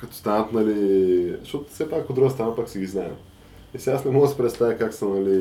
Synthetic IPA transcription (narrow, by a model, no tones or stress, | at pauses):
kɐt̪o̥st̪anət̪naliʃot̪fsɛpakod̪ːɾuɡəst̪ɾanapaksiɡʲiznajɛ̰m | ɛsiasnɛmɔɡəsi̥pɾɛt̪st̪avʲikaksəmnali